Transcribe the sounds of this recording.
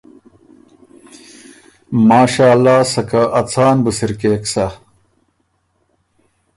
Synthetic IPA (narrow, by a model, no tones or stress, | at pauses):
maːɕaːlːaːsɐkaʔɐt͡sʰaːnbusiɾkeːksɐ